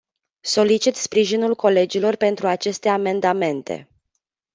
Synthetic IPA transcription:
so̞lit͡ʃit̪spɾiʒinulko̞le̞d͡ʒilo̞rpe̞nt̪ɾuat͡ʃe̞st̪e̞ame̞nd̪ame̞nt̪e̞̰

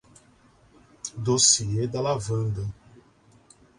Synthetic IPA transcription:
d̪osied̪alavɐ̃nd̪ɐ

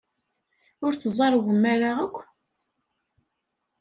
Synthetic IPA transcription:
ʊɾθəzˤɑɾˤwəmːæɾaʁəkʷː

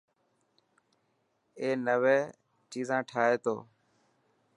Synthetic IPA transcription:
eːnəʋeː | t͡ʃiːzãːʈʰaːɦeːt̪o̰ː

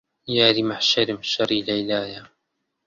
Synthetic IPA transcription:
jaːɾimaħʃaɾɪmʃɑɾiːlajlaːja

